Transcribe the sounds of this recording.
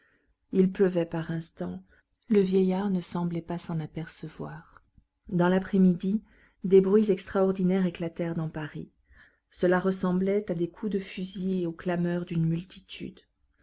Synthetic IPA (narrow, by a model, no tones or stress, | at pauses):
ilpləvɛpaʁɛ̃st̪ɑ̃ | ləvjɛjaʁnəsɑ̃blɛpasɑ̃napɛʁsəvwaːʁ | d̪ɑ̃lapχɛmid̪i | d̪ebʁɥizɛkst̪χaɔʁd̪inɛʁeklat̪ɛʁd̪ɑ̃paʁḭ | səlaʁəsɑ̃blɛt̪ad̪ekʰud̪əfyzieoklamœʁd̪ynmylt̪ʰit̪ʰy̰d̪